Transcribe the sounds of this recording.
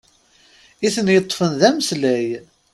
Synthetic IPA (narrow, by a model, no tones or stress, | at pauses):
iθənjət̪ˤːfənðæməslæj